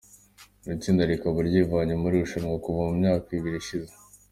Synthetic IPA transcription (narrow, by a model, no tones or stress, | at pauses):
ɾit͡siːndaɾikaβaɾɟiːvaɲumuɾiuʃaɾŋakuvamumɲaːkaiβiɾiʃize